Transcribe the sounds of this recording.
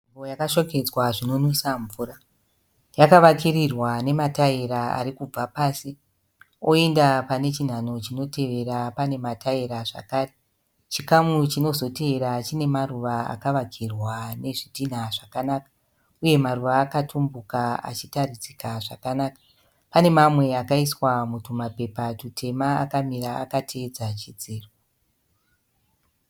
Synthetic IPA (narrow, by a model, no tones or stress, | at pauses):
imbojakaʃoke̞d͡zwaʐino̞nwisaɱvuːɾa | jakaʋakirirwane̞mataiɾaa̰ɾikub͡vapaːsi | o̞endapane̞t͡ʃin̤ano̞t͡ʃino̞te̞ʋe̞ɾapane̞mataiɾaʐa̰kaːre | t͡ʃikamut͡ʃino̞zo̞te̞eɾat͡ʃine̞maruʋaa̰kaʋaɡʱirwane̞ʐitin̤aʐakanaːkḁ | uje̞maruʋaːkatʰumbukaa̰t͡ʃitarid͡zikaʐakanaːkḁ | pane̞mamwe̞akaiswamutumape̞patutʰe̞maa̰kamiɾaːkatʰeːd͡zat͡ʃid͡ziːro